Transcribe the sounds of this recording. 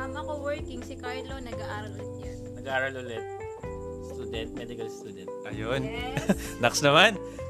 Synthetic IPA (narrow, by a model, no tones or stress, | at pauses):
ɐmɐkowɛɹkɪŋsɪkaɹlonɐɡaʔaːɾɐlot̪̚ɲa | nɐɡaʔaːɾɐlolɛt̪̚ | st̪ud̪ɛnt̪̚mɛd̪ɪkɐlst̪uːd̪ɛnt̪̚ʔɐjon | nɐksnɐman